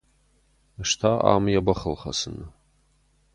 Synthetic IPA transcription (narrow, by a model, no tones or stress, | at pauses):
ʂtʰaa̰mjabaχəlχa̰sɨnɨ